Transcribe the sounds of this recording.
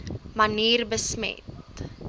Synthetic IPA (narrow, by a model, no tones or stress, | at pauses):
mɐniːrbəsmɛ̰t